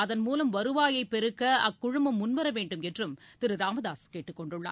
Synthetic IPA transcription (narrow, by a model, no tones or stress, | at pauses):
ɐðɐnmuːlɐmʋɐɾɯʋaːjɐɪpɛɾɯkːɐɐkːʊɻʊmbɐmːʊnʋɐɾɐʋeːɳɖɯmɛnrɯmt̪ɪɾɯɾaːmɐðaːskeːʈːɯkːɔɳɖɯɭːa̰ː